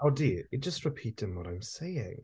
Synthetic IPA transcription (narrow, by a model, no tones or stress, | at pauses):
oʊdiɨ̥d͡ʒ̥ʌstɹɪpʰiˑtɪ̃nwʌɾãɪ̃mseɪɪ̰̃ŋ